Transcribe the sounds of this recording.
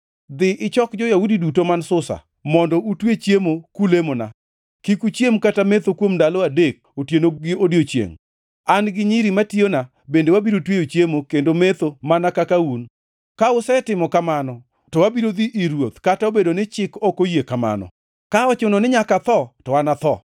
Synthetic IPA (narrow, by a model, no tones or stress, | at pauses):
d̪ɪʔɪt͡ʃɔkd͡ʒɔjaudidutomansʊsa̰ | mɔndɔʔutwet͡ʃjemokulemona̰ | kikut͡ʃjemkatamet̪okwomdalɔadek̚otjenoɡɪodjot͡ʃjḛŋ | anɡɪɲiɾimatjona | bendewabiɾotwejot͡ʃjemokendomet̪omanakakaun | kaʊsɛtɪmɔkamanɔ | tɔwabiɾod̪iʔiɾwot̪kataobedonɪt͡ʃɪkɔkojekama̰nɔ̰ | kaɔt͡ʃʊnɔnɪɲakat̪ɔtɔwanat̪ɔ